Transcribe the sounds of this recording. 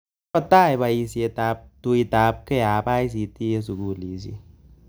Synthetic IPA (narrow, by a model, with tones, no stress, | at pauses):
ɔ˦ta˦˨jba˧˨i˧si˧e˧ta˧˦p̚tu˧i˧ta˨˦p̚ke˦a˨ba˦js̬i˨ti˦e˦s̬u˨ku˦˨li˨˦s̬ḭ˨˦